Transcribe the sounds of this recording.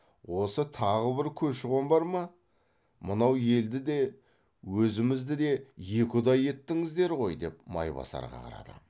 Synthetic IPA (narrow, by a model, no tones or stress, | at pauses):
wo̞sət̪ʰɑʁəbɪɾkʲʰɵʃɪʁo̞mbɑɾmɑ | mənɑwje̞ld̪ɪd̪e̞ | wɵzɪmɪzd̪ɪd̪e̞je̞kʲɪd̪ɑje̞t̪ːɪŋɪzd̪e̞ɾʁo̞jd̪e̞p̚mɑ̰jbɑ̰sɑ̰ɾʁɑ̰qʰɑ̰ɾɑ̰d̪ə̰